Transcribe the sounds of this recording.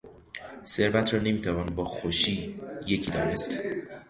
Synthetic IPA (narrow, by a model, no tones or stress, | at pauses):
se̞ɾvæt̪ʰɾɒːne̞miːt̪ʰævɒːnbɒːxoʃiːje̞cʰiːd̪ɒːnest̪